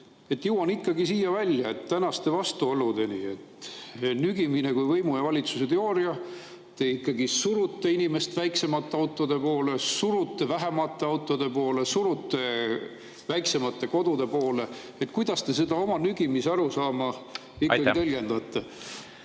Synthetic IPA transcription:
e̞t̪ːjɯwɑnikːɑɡisiːjɑvælʲjɑe̞t̪ːænɑst̪e̞vɑst̪uolud̪e̞nḭet̪ːnyɡ̥imine̞kujvɤjmujɑvɑlʲit̪suset̪eo̞ːɾijɑ | t̪e̞ikːɑɡisuɾut̪ːeinime̞st̪væjkse̞mɑt̪ˑːeɑwt̪ːˑod̪e̞po̞ːle̞suɾut̪ːe̞væɦemɑt̪ːˑe̞ɑwt̪ːˑo̞d̪̥e̞po̞ːlesuɾut̪ːˑe̞ | væjkse̞mɑt̪ːe̞ko̞d̪̥ud̪̥e̞po̞ːle̞ | et̪kujd̪̥ɑst̪e̞s̬e̞d̪̥ɑo̞mɑnyɡ̥imisɑɾusɑːmɑ | ikːɑɡit̪elɡ̥e̞nd̪̥ɑt̪ːˑe

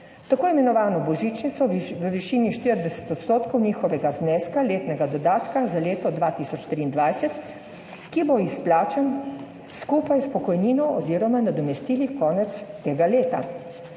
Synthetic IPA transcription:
t̪akoːimɛnɔʋaːnɔbɔʒiːt͡ʃnit̪sɔʋəʋiʃiːniʃt̪iɾd̪ɛsɛ̥t̪ɔt̪st̪oːt̪kɔwniːxɔʋɛɡaznɛːskaleːt̪nɛɡad̪ɔd̪aːt̪kazaleːt̪ɔd̪ʋaːt̪iːsɔt͡ʃt̪ɾiːnd̪ʋajsɛt̪ | kiboisplaːt͡ʃɛn | skuːpajspɔkɔjniːnɔɔziːɾɔmanad̪ɔmɛst̪iːlikɔːnɛt̪st̪eːɡaleːt̪a̰

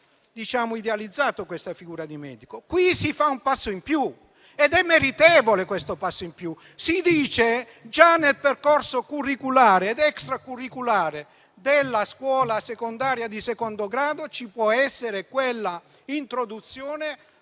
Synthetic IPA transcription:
d̪it͡ʃaːmʊid̪ealid̪zːaːt̪okwest̪afiɡuːɾad̪imɛːd̪ikokwisifaumpasːoimpju | ɛd̪ɛmːeɾit̪ɛːvolekwest̪opasːoimpju | sid̪iːt͡ʃe | d͡ʒanːelperkorsokurːikulaːɾeːd̪ɛkst̪ɾakurːikulaːɾe | d̪elːaskwɔːlasekond̪aːɾjad̪isekond̪oɡɾaːd̪ot͡ʃipwɔɛsːeɾekwelːa | int̪ɾod̪ut̪sjɔːne

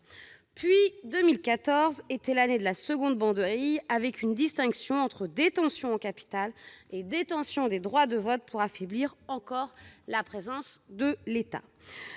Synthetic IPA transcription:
pɥid̪əmilkat̪ɔʁzet̪ɛlaned̪əlasəɡɔ̃d̪̚bɑ̃d̪əʁijavɛkynd̪ist̪ɛ̃ksjɔ̃ɑ̃t̪χəd̪et̪ɑ̃sjɔ̃ɑ̃kapi̥t̪aled̪et̪ɑ̃sjɔ̃d̪ed̪ʁwad̪əvɔt̪̚pʰuʁafɛbliʁɑ̃kɔʁlapχezɑ̃sd̪əlet̪a̰

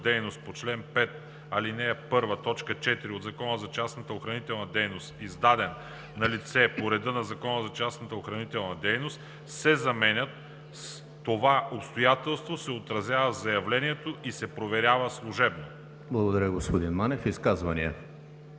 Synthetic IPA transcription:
d̪ɛjnost̪̚pot͡ʃlɛnpɛt̪ | ɐlinɛːpɤɾvət̪ɔt͡ʃkət͡ʃɛt̪iɾiod̪zɐkɔnəzɐt͡ʃasnət̪əoxɾɐnit̪ɛlˠnɐd̪ɛjnost̪izd̪ad̪ɛn | nɐlit̪sɛpoɾɛd̪ənɐzɐkɔnəzɐt͡ʃasnət̪əoxɾɐnit̪ɛlˠnɐd̪ɛjnost̪ | sɛzɐmɛnʲət̪ː | ovaopst̪ojat̪ɛlˠst̪vosɛot̪ɾɐzʲavəzɐjɐvlɛniɛt̪oʔisɛpɾovɛɾʲjavəslˠuʒɛbno | blˠɐɡod̪ɐɾʲjəɡospod̪inmanɛfiskazvɐniɛ

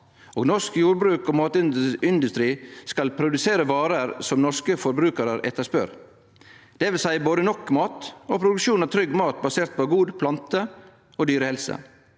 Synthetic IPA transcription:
oːɡnɔʂkjuːɾbɾʉːkoːmɑːt̪ɪɪnd̪ʉst̪ɾiːskɑlpʰɾʊd̪ʉseːɾəʋɑːɾəɾsɔmnɔʂkəfɔɾbɾʉːkəɾəɾʔɛ̰t̪ːəʂpœ̰ɾ | d̪̥ɛʋɪlsæɪboːd̪ənɔkmɑːt̪opʰɾʊd̪ʉʂuːnɑʋt̪ʰɾʏɡːmɑːt̪bɑseːɾt̪pɔɡuːd̪pʰlɑnt̪ə | oːd̪yːɾəhɛlsə̰

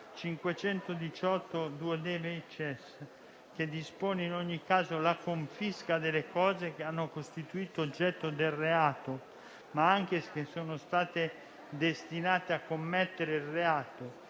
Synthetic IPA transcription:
t͡ʃiŋkwet͡ʃɛnt̪od̪it͡ʃɔt̪ːod̪uːed̪ɛːvet͡ʃɛs | k̟ed̪ːispoːneinoɲːikːaːzolakoɱfiskad̪elekɔːzek̟eanːokost̪it̪uiːt̪oːd͡ʒːɛt̪ːod̪elreaːt̪o | maaŋk̟eskesoːnost̪aːt̪e | d̪est̪inaːt̪eakːomːɛt̪ːeɾeilreaːt̪o

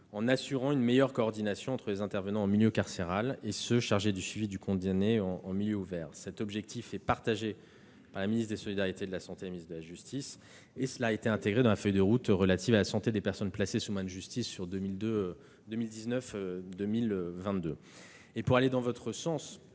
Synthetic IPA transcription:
ɑ̃nasyʁɑ̃ynmejœʁkɔːʁd̪inasjɔ̃ɑ̃t̪χəlezɛ̃t̪ɛʁvənɑ̃ːmiljøkaʁseʁalesəʃaʁʒed̪ysɥivid̪ykɔ̃d̪aneɑ̃ɑ̃miljøuvɛːʁsɛt̪ɔbʒɛk̚t̪ʰifɛpaʁt̪aʒe | paʁlaminist̪̚d̪esɔlid̪aʁjit̪ed̪əlasɑ̃t̪elaminisd̪əlaʒyst̪is | esəlaet̪eɛ̃t̪eɡʁed̪ɑ̃lafœjd̪əʁut̪ʁəlat̪ivalasɑ̃t̪ed̪epɛʁsɔnplasesumad̪ʒyst̪isːyʁd̪əmild̪ø | d̪əmild̪iznœfød̪əmilvɛ̃t̪d̪ø | epuʁaled̪ɑ̃vɔt̪χəsɑ̃s

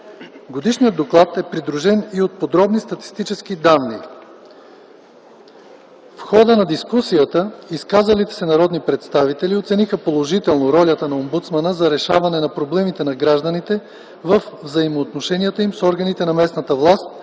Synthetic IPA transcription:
ɡod̪iʃnijəd̪oklˠat̪ɛpɾid̪ɾuʒɛniot̪̚pod̪ɾɔbnist̪ɐt̪i̥st̪it͡ʃɛsk̟id̪anːḭ | fxɔd̪ənɐd̪iskusijət̪əiskazɐlit̪ɛ̥sɛnɐɾɔd̪nipɾɛt̪st̪avit̪ɛliot̪sɛnixəpolˠoʒit̪ɛlˠnoɾɔlʲət̪ənɐombut̪smanəzɐɾɛʃavɐnɛnɐpɾoblɛmit̪ɛnɐɡɾaʒd̪ənit̪ɛ | vəfvzɐimoːt̪noʃɛnʲijət̪əimsɔɾɡɐnit̪ɛnɐmɛsnɐt̪əvlˠast̪̚

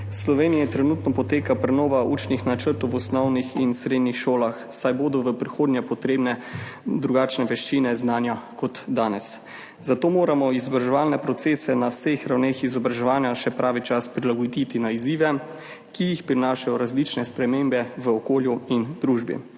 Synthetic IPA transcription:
slɔʋeːnijɛt̪ɾɛnut̪nɔpɔt̪eːkapɾɛnɔːʋauːt͡ʃnixnat͡ʃəɾt̪ɔwɔsnɔwnixinsɾeːd̪nixʃoːlaxsajboːd̪ɔʋəpɾixoːd̪njapɔt̪ɾeːbnɛd̪ɾuɡaːt͡ʃnɛʋɛʃt͡ʃinɛznaːnjakɔt̪d̪aːnɛs | zat̪oːmoːɾamɔizɔbɾaʒɛʋaːlnɛpɾɔt̪seːsɛnawsexɾawneːxizɔbɾaʒɛʋaːnjaʃɛpɾʔaːʋit͡ʃaspɾilaɡod̪it̪inaiziːʋɛ | kijixpɾinaːʃajɔɾazlit͡ʃnɛspɾɛmeːmbɛʋəɔkoːljuind̪ɾuʒbḭ

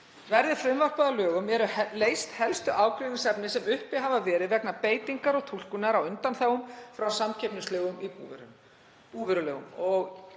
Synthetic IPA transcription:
vɛɾðɪfɾɪmvar̥paðalœːɣʏmɛɾʏhleːjst̪hɛlst̪ʏʔaːwkɾiinsɛpnɪsɛmʏhpɪɦavavɛːɾɪðvɛknapeːjt̪iŋkaɾɔɣt̪ʰul̥kʏnaɾawʏnt̪anθaɣʏmfɾawsamcʰɛpnʏst̪œːɣʏmipuvɾʏ | puvɛɾʏlœːɣʏ̰mɔɣ

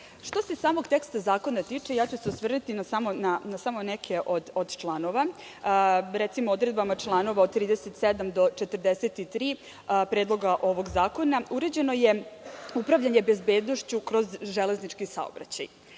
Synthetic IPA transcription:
ʂt̪o̞se̞saːmo̞ɡt̪e̞kst̪azaːko̞nat̪iːt͡ʂejaːt͡ɕuseusʋr̩nut̪inasamo̞nanasamonekʰe̞ʔod̪od̪t͡ʃlˠano̞ʋa | ɾet̪simood̪ɾe̞d̪̚bamat͡ʂlˠaːno̞ʋaod̪̚t̪ːɾiːd̪eset̪sed̪amd̪o̞t͡ʃet̪r̩d̪eset̪it̪ɾiː | pɾeːd̪lˠo̞ɡaʔo̞ʋo̞ɡzaːko̞nauɾed͡ʑe̞no̞je̞upɾaʋʎaɲebe̞zbe̞ːd̪noʃt͡ɕukɾo̞zʒele̞znit͡ʂkisa̰o̰bɾa̰t͡ɕa̰j

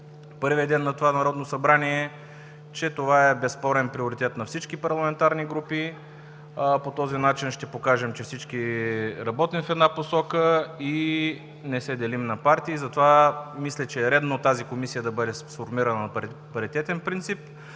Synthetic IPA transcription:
pɤɾvijəd̪ɛnːɐt̪ovanɐɾɔd̪nosɐbɾaniɛ | t͡ʃɛt̪ovaɛbɛspɔɾɛnpɾioɾit̪ɛt̪nɐfsit͡ʃkipɐɾlˠɐmɛnt̪aɾniɡɾupi | pot̪ɔzinat͡ʃinʃt̪ɛpokaʒɛmt͡ʃɛfsit͡ʃkiɾɐbɔt̪imfɛd̪naposɔkəi | nɛsɛd̪ɛlimnɐpaɾt̪iːzɐt̪ovamislɛt͡ʃɛːɾɛd̪not̪azikomisijəd̪ɐbɤd̪ɛsfoɾmiɾɐnə | pɐɾit̪ɛt̪ɛnpɾint̪sip̚

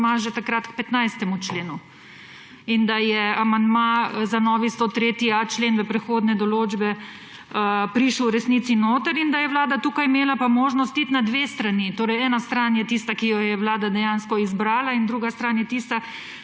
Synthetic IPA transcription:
maʒet̪akɾat̪kpɛt̪najst̪ɛmut͡ʃleːnu | ind̪ajɛamand̪mazanɔːʋist̪ot̪ɾeːt̪iat͡ʃleːnʋɛpɾɛxoːd̪nɛd̪ɔloːd͡ʒbɛ | əpɾiʃəwɾɛsniːt̪sinoːt̪əɾind̪ajɛʋwlaːd̪at̪uːkajmeːlapamoːʒnɔst̪it̪nad̪ʋeːst̪ɾanit̪oːɾɛjɛːnast̪ɾanjɛt̪iːst̪akijɔjɛʋwlaːd̪ad̪ɛjanskɔizbɾaːlaind̪ɾuːɡast̪ɾaːnjɛt̪ist̪a

